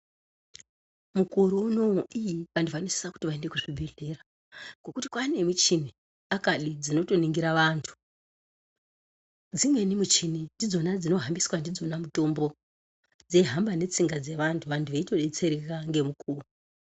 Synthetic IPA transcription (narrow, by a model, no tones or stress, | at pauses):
mukuɾuuno̞uʔijipanduvanise̥saku̥tiʋaende̞kuʐibʱe̞ɮe̞ɾa | ɡ̥o̞kuti̥kwane̞mit͡ʃin̤i | akaɗid͡zino̞to̞niŋɡiɾaʋantʰu̥ | d͡zimwe̞nimut͡ʃin̤indid͡zo̞nad͡zino̞ɦambiswandid͡zo̞namuto̞mbo̞ | d͡ze̞ɦambane̞t͡siŋɡad͡ze̞ʋantʰuʋantʰuʋeito̞ɗet͡se̞ɾekaŋɡe̞mukuːru